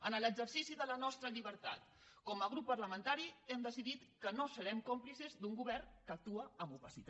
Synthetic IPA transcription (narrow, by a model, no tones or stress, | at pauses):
ənələɡzəɾsisiðələnɔst̪ɾəʎiβəɾt̪a̰t̪ | kɔməɣ̞ɾupːəɾləmənt̪aɾiɛmd̪əsiðit̪kənosəɾɛmkomplisəzd̪uŋɡuβɛrkək̚t̪uəəmbuβəsit̪